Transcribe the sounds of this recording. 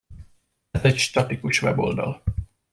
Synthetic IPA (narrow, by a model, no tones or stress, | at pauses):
zɛcʃt̪ɒt̪ikuʃʋɛ̰bold̪ɒ̰l